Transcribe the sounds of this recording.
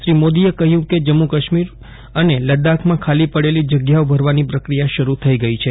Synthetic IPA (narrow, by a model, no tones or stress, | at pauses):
ʃɾimod̪ijekəɦjũked͡ʒəmːukəʃmiɾ | əneləd̪akʰmãkʰalipəɽelid͡ʒəɡjaobʱəɾʋanipɾəkɾijaʃəɾut̪ʰəiɡəit͡ʃʰe